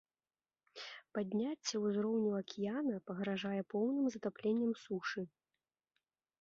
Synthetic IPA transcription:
pad̪ʲnʲat͡sʲːɛwuzɾɔwnʲuɐkʲijanɐpɐɣɾaʐajɛpɔwnɨmzɐt̪aplʲenʲːɐmsuʂɨ

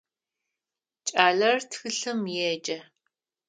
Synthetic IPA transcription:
t͡ʃʼaːɮɐrtʰxɨɬɨmjɛd͡ʒʼɐ

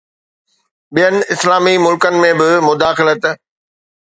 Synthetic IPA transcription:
ɓijənɪ̆ɪslaːmimʊlkənɪ̆mẽbɪmʊd̪aːxɪlət̪

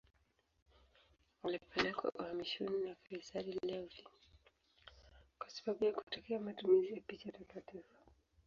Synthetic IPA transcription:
walipʰɛlɛka̰ʔuhamiʃɔninakiɾisaɗillɛli | kwasḁɓaɓujakutakɛamatumizijapit͡ʃatakatifḁ

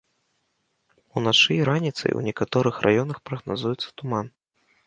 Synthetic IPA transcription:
unat͡ʂɨɾanʲit̪sɐ̰jṵnʲɛkat̪ɔɾɨxrʔa̰jɔnɐxpɾɐɣnazujɛt̪sːɐ̥t̪uman

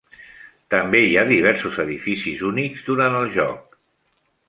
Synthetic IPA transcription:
t̪əmbeiaðiβɛɾsuzəðifisizunikzd̪uɾanəlˠʒɔk̚

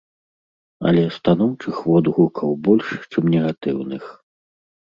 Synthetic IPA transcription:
ɐ̰lʲɛst̪an̪ɔwt͡ʂɨxvɔd̪ɣukʰɐwbɔlʲʂt͡ʂɨmnʲɛɣat̪ɨwnɨx

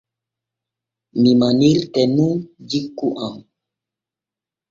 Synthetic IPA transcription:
mimaniltɛnũd͡ʒikːuʔaŋ

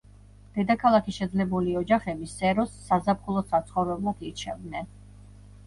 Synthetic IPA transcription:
d̪̥ɛd̪akʰalˠakʰiʃɛd̪zlɛbuliɔd͡ʒaχɛbisɛɾɔsːazapχulˠɔsat̪sʰχɔvɾɛblˠɔkʰiɾt͡ʃʰɛvd̪nɛn

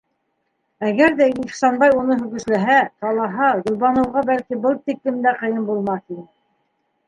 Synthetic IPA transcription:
æɣæɾðæiχsɑnbɑjunɤɦɵ̆ɣɘ̆ʃlæɦæt̪ɑlˠɑɦɑɡŏlˠβɑnɤ̆wʁɑbælkibɤlˠt̪iklɘ̆md̪æqɤ̆jɤmbulˠmɑθinɘ

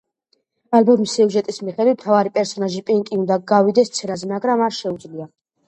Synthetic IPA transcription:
albɔmisːiuʒɛt̪ʼismiχɛd̪wit̪̚ʰm̥t̪ʰavaɾipʼɛɾsɔnaʒipʼiŋkʼiund̪aɡavid̪ɛst̪sʰɛɾazɛmaɡɾamaɾʃɛud̪zlia

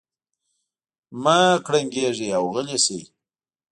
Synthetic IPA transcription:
makɽaŋɡeʐeawɣəlesḛ

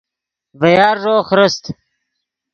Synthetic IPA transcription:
vɐjɑːɾʐoːχɾəst̪

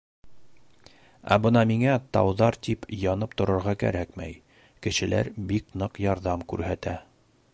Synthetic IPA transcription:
æ̰bɤnɑmiŋæt̪ɑwðɑɾt̪ipjɒnɤp̚t̪ŏɾŏɾʁɑkæ̰ɾækmæ̰j | kɘ̆ʃɘ̆læ̰ɾbiknɤqjɑɾðɑmkʉɾhæt̪æ

